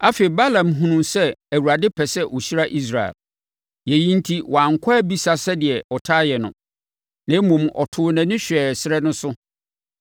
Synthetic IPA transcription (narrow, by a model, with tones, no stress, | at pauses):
a˦fe˨i˨ba˦lã˨mɦũ˦nũ˨msɛ˦æ˨wu˨ɾa˨dɪ˦pʰɛ˨sɛ˦ʔo˨ɕi˦ɾa˦ʔi˦s̬ɾa˨ɛ̰˨l | jɛ˨jĩ˦n̩˦tʰi˦wɔ˨ã˨ŋ˨kʷʰɔ˦ɛ˦bi˦sa˨sɛ˦dɪ˨ɛ˨ɔ˨tʰaː˦jɛ˨nʊ̰̃˨ | nã˨˦mũ˨mɔ̰˨tʰʊ˦nã˨nɪ̃˦ɕᶣɛ˨sɪ˦ɾɛ˦nʊ̃˦sʊ˦